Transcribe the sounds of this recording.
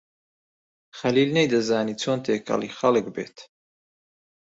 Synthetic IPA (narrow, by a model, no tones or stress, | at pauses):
χaliːlnɛjd̪əzaːnit͡sʰont̪ʰeːkʰa̰liχalɡbɛ̰t̪ʰ